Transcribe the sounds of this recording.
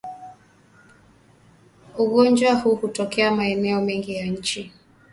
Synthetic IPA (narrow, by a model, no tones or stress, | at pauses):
uɣɔnd͡ʒwahuhutɔkɛamaɛnɛɔmɛŋɡijaɲ̩t͡ʃi